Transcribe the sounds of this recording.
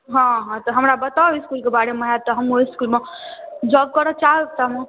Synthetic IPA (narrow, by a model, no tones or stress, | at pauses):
ɦɔ̃ɦɔ̃t̪ɔɦəmɾabət̪aoiskulkebaɾemeɦat̪ɔɦəmoiskulmed͡ʒɔɡ̚kəɾɔt͡ʃaɦet̪əɦmu